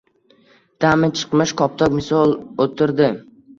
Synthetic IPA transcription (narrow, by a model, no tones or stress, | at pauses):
d̪̥amɪt͡ʃʰɨ̥qmɪʃkʰɒp̚t̪ʰɒkmɪsɒlˠot̪ʰɪɾd̪ɪ